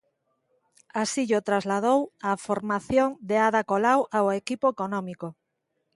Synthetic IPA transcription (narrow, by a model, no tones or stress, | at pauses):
asiʎot̪ɾazlað̞owafoɾmaθjoŋd̪eaðakolawʔaoekipoekonɔmiko